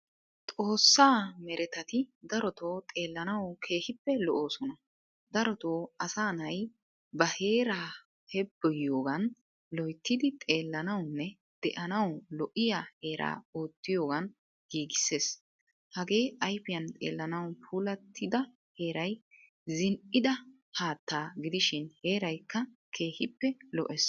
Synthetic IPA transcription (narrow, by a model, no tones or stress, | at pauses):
t̪ʼo̞ːsːaːmɛɾʔɛt̪ɐt̪ɪd̪ɐɾɔt̪o̞ːt̪ʼe̞ːlːɐnɐwkʰe̞ːhɪpːɛlɔʔoːsɔnɐ | d̪ɐɾɔt̪o̞ːɐsaːnɐj | bɐhe̞ːɾaː | hɛbːɔjɪjo̞ːɡɐn | lɔjt̪ːɪd̪ɪt̪ʼe̞ːlːɐnɐwnːɛ | d̪̥ɛʔɐnɐwlɔʔɪjahe̞ːɾʔa̰ːoːt̪ːɪjo̞ːɡɐn | ɡ̥iːɡɪsːe̞ːs | hɐɡe̞ːʔɐjfɪjɐnt̪ʼe̞̰ːlːɐnɐwpʰuːlɐt̪ʰːɪd̪ɐ | he̞ːɾɐj | zɪnʔɪd̪ɐ | haːt̪ːaːɡɪd̪ɪʃɪnhe̞ːɾɐjkːɐ | kʰe̞ːhɪpːɛlɔ̰ʔɛs